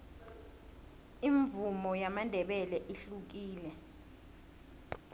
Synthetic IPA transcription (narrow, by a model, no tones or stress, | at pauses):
iɱvumɔjamandʱɛɓɛlɛʔiɬuk̬iːlɛ